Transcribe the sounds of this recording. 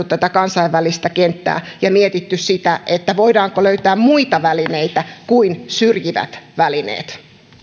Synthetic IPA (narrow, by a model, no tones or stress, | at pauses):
ut̪tæt̪ækɑnsɑiʋʋælist̪ækent̪ːæ̰ːjɑmiet̪it̪ːyssit̪æʔet̪ːæʋoidɑːŋkoløyt̪æːmmuit̪ɑʋælineit̪ækuinsyrjiʋæ̰t̪ʋælinḛːt̪